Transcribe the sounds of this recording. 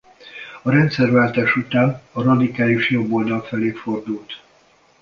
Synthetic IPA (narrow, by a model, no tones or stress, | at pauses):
ɒɾɛnt̪sɛrvaːlt̪aːʃut̪aːnɒrɒd̪ikaːliʃjo̞bːo̞ld̪ɒlfɛleːfo̞rd̪ult̪